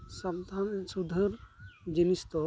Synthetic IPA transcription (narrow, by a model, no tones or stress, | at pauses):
sad̪ʱansud̪ʱəɾd͡ʒinist̪ɔ